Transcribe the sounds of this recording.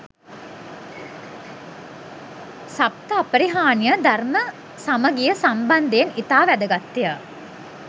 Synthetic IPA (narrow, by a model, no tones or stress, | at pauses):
sap̚t̪əapəɾiɦaːnijəd̪armə | saməɡijəsamband̪eenit̪aːʋæd̪əɡat̪ːijə